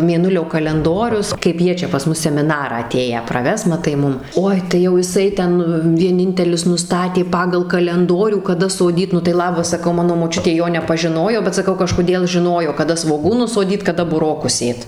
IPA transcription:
mʲeːˈnʊlʲoː kɐlʲɛnˈdoːrʲʊs kɐɪp ˈjiɛ t͡ʃʲɛ pɐs ˈmʊs sʲɛmʲɪˈnɑːrɑː ɐˈtʲeːjæː prɐˈʋʲɛs mɐˈtɐɪ ˈmʊm ˈoːɪ tɐɪ jɛʊ jɪˈsɐɪ ˈtʲɛn ʋʲiɛˈnʲɪnʲtʲɛlʲɪs nʊˈstɑːtʲeː ˈpɑːɡɐlˠ kɐlʲɛnˈdoːrʲuː kɐˈdɐ soːˈdʲiːt ˈnʊ tɐɪ ˈlˠɑːbɐs sɐˈkɐʊ ˈmɑːnoː moːˈt͡ʃʲʊtʲeː ˈjoː nʲɛpɐʒʲɪˈnoːjoː bʲɛt sɐˈkɐʊ kɐʃkoːˈdʲeːlˠ ʒʲɪˈnoːjoː kɐˈdɐ sʋoːˈɡuːnʊs soːˈdʲiːt kɐˈdɐ bʊˈroːkʊs ˈsʲeːt

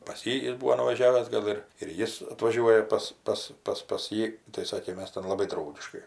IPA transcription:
pɐs ˈjiː ˈjɪs ˈbuːʋoː nʊʋɐˈʒʲæːʋʲæːs ˈɡɐlˠ ɪr ɪr ˈjɪs ɐtʋɐˈʒʲuɔjɛ pɐs ˈpɐs ˈpɐs pɐs ˈjiː tɐɪ ˈsɑːkʲeː ˈmʲɛs tʲɛn lˠɐˈbɐɪ ˈdrɐʊɡʲɪʃkɐɪ

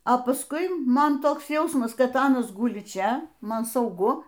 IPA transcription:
oː pɐsˈkʊɪ ˈmɐn ˈtoːks ˈjɛʊsmɐs kɐt ˈɑːnɐs ˈɡʊlʲɪ ˈt͡ʃʲɛ ˈmɐn sɐʊˈɡʊ

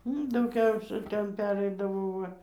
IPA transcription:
ənʊ dɐʊˈɡʲɛʊsʲɛ ˈtʲɛn ˈpʲæːrʲɛɪdɐʋoː ˈʋɐ

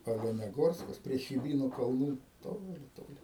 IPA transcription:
oːlʲɛnʲɛˈɡoːrskɐs pʲrʲiɛ xʲɪˈbʲiːnʊ kɐlˠˈnuː ˈtoːlʲɪ ˈtoːlʲɪ

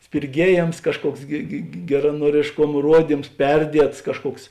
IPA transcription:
sʲpʲɪrʲˈɡʲiɛjeːms ˈkɑːʃˌkuɔks ɡʲɪ ɡʲɛ ɡʲɛrɐnuɔrʲeːʃˈkoːm ˈruɔdʲiːms ˈpʲɛrʲdʲiɛts ˈkɑːʃˌkuɔks

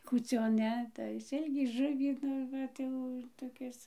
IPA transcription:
kuːˈt͡sʲoːn ˈnʲɛ tɐɪ ˈsʲɪlʲkʲiː ˈʒʊʋʲiː ˈnʊ ˈʋɐt jɛʊ toːˈkʲɪs

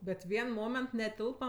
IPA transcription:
bʲɛt ˈʋʲiɛn ˈmoːmʲɛnt nʲɛˈtʲɪlˠpɐ

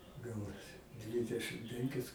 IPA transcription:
ˈɡɐʊnɐsʲɪ ˈdʲʋʲɪdʲɛʃɨm ˈpʲɛŋʲkʲɪs

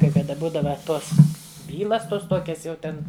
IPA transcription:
kɐɪ kɐˈdɐ ˈbuːdɐʋɐ ˈtoːs ˈbʲiːlˠɐs ˈtuɔs ˈtuɔkʲɛs jɛʊ ˈtʲɛn

